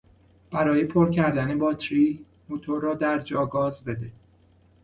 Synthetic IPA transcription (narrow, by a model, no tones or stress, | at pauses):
b̥æɾɒːje̞pʰoɾcʰæɾd̪æne̞bɒːt̪ʰɾiː | mot̪ʰoɾːɒːd̪æɾd͡ʒɒːɡɒːzbe̞d̪e